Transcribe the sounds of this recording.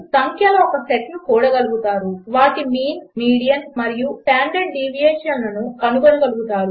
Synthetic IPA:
sɐŋkʰjɐloɔkɐseʈnukuːɽɐɡɐluɡut̪aːɾuʋaːʈimiːnmiːɽijɐnsmɐɾijuʈaːɳɖeɖɖiːʋijeːʂɐnlɐnukɐnuɡonɐɡɐluɡut̪aːɾu

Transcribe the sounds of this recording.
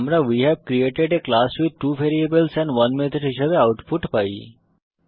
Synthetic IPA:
mɾaʋiɦɛʋkɾieːʈeɖeklaːswiʈuːʋeːɾiəbəlsɛ̃nʋɐ̃nmɪt̪ʰəɖɦɪʃabeaʊʈpʰʊʈbaːḭ

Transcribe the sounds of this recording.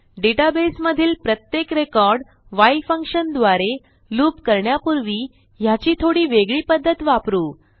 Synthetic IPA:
ɖeʈabesməd̪ʱiːlpɾət̪jekɾekɔɾɖ | ʋaifəŋkʂənd̪ʋaɾe | luːpkəɾɳjapuɾʋiː | jat͡ɕiːt̪ʰoɽiːʋeɡɭiːpəd̪ʱːət̪ʋapɾuː

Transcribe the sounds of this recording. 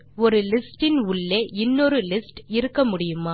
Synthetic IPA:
ɔɾɯlɪsʈɪnʊɭːeʔɪnːɔɾɯlɪsʈɪɾɯkːɐmʊɽɪjɯmaː

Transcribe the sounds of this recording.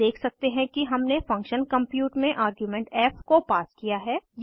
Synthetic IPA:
eːkʰsɐk̚t̪eɦɛ̃kiɦɐmnefɐ̃ŋkʃənkɐ̃mpjuːʈmẽʔaːɾɡjumɛ̃ːɳʈɛːfkopaːskijaɦɛːj

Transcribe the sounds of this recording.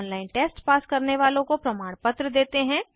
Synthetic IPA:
nlaːɪnʈeːsʈpaːskɐɾneʋaːlõkopɾɐmaːɽ̃pət̪ɾəd̪eːt̪eɦɛ̃ː

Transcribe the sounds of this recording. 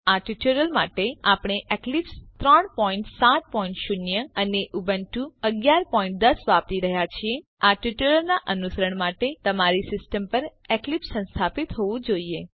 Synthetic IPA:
aʈuʈuɾəlmaʈeapɽ̃eʔeklipst̪ɾəɳpɔĩɳʈsat̪̚pɔĩɳʈʃʊnjəəneʔubənʈũəɡjaɾpɔĩɳʈ̚d̪əsʋap̚t̪iɾəɦjat͡ʃʰie | aʈuʈuɾəlnaʔənusəɾəɳmaʈet̪əmaɾisɪsʈəmpəɾeklipsə̃nst̪ʰapit̪ɦoʋũd͡ʒoie

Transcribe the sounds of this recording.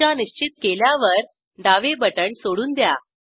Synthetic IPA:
aniɕt͡ɕit̪keljaʋəɾ | ɖaʋebəʈəɳsoɽuːnd̪ja̰

